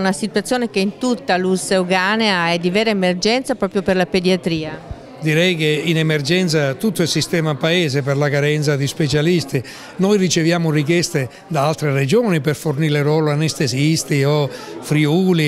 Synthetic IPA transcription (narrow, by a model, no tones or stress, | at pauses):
nasit̪wat̪sːjoːnek̟eint̪ut̪ːalusːeuɡaneaɛd̪ːivɛːɾaemerd͡ʒɛnt̪sapɾɔːpɾjoperlaped̪jat̪ɾiːa | d̪iɾɛjkeinemerd͡ʒɛnt̪sat̪ut̪ːoɛlsist̪ɛːmapaeːzeperlakaɾɛnt̪sad̪ispet͡ʃalist̪i | nojrit͡ʃevjaːmʊrik̬jɛst̪e | d̪aalt̪ɾered͡ʒoːniperforniːleɾwɔːloanest̪ezist̪iofɾiuːli